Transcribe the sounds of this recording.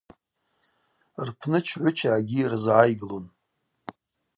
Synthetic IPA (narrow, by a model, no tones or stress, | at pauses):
rpʰnɨt͡ʃʰʕʷʊt͡ʃʰaːɡʲirzʕajɡlon